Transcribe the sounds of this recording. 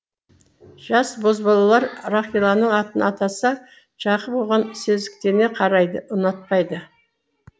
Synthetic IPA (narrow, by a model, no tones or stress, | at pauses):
ʒ̥ɑsbo̞zbɑlˠɑlˠɑɾraχilˠɑnəɴɑt̪ənɑt̪ɑsɑ | ʒ̥ɑqəpolˠʁɑnsɵzd̪ɪk̚t̪e̞ɾne̞qʰɑɾɑjd̪əʊnɑt̪̚pɑjd̪ə